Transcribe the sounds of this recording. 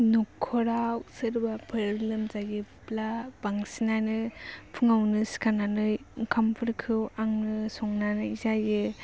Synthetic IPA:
nukʰːɔɾawsɯɾbapʰɯɾlɯmzajɯplab̥aŋsinanɯpʰɯŋawnɯsi̥kʰananɯjkʰampʰɯɾkʰɯwaŋnɯsɔŋnanɯizajɯ

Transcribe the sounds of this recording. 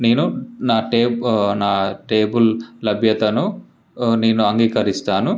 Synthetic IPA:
ne̞ːnunaːʈeːnaːʈeːbullɐbʱjɐt̪ɐnu | ne̞ːnuɐŋɡiːkɐɾist̪aːnu

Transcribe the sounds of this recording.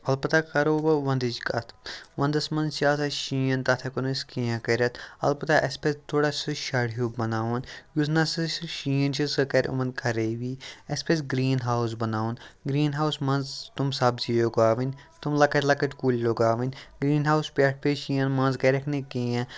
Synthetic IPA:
ɐlpɐt̪akɐɾoːbɐʋɐ̃nd̪id͡ʒkɐt̪ʰʋɐ̃nd̪ɐsmɐnzt͡ʃaːsʰɐʃijɐnt̪ɐt̪ʰɐkonuskijãkɐɾʲɐt̪ʰɐ̰lpɐt̪aʔɐspest̪ʰoːɽasɨʃaɽjoːbɐnaːʋunjusʰnasɨʃijɐnt͡ʃʰisɨkɐɾʲṵmɐnd̪̚kʰɐɾeʋiːɐspesɡɾiːnɦaːws̬bɐnaːʋunɡɾiːnɦaːwsmɐnzt̪umsɐbzijoɡaːʋinʲ | t̪umlɐkɐt̪lɐkɐʈkuːlʲloːɡaːʋinʲɡɾiːnɦaːwspʲaːʈ̚ʰpeʃiːɐnmɐnzkɐɾʲɐkʰnekijã

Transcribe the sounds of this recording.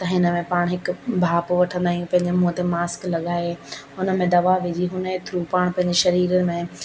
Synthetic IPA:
t̪ɐɦɪnə̆mẽpaːɽ̃ɦɪkbʱaːpʋɐʈʰə̃nd̪aːijũpɐ̃ɦɪ̃ɲd͡ʑemuːt̪emaːsklɐɠaːe | ʊnə̆mẽd̪ɐʋaʋɪd͡ʑiɦʊnəet̪ʰɪɾupaːɽ̃pɐ̃ɦɪ̃ɲd͡ʑeʃɐɾiːɾənɪ̆mẽ

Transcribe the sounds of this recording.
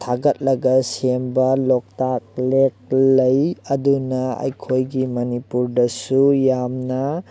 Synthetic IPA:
tʰaɡɐt̚lɐɡɐsembɐlɔk̚tak̚lek̚lɐjɐdunɐa̰jkʰojɡimɐnipuɾdɐsujamnɐ

